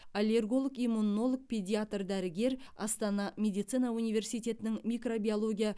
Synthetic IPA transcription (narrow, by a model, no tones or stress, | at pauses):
alʲe̞rɡo̞lˠəkimːunːo̞lˠək̚pʰʲed̪ʲiat̪rd̪æɾɪɡʲe̞ɾɑ̰st̪ɑnɑmʲe̞d̪ijt̪sɨnɑunijvʲe̞rsijt̪ʰʲe̞t̪ɪnɪŋmʲijkro̞bʲiolˠo̞ɡʲija